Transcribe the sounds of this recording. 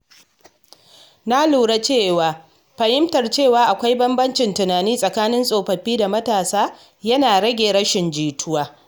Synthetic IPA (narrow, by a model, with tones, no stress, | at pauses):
na˦luː˨ɽa˦t͡ʃeː˦˨waː˨ | ɸɐ˨hɪ˦mtɐ˨rt͡ʃeː˦˨waː˨ʔa˨kʷa˦jbɐ˦mbɐ˦nt͡ʃɪ˨ntʊ˨naː˨niː˦sʼɐ˨kaː˦nɪ˦nsʼoː˨ɸɐ˨ɸiː˦da˨mɐ˦taː˨saː˦ | jɐ˦naː˨ɽɐ˦ɡʲeː˨ɾɐ˦ʃɪ˨nd͡ʒiː˨tʰʊ˦waː˦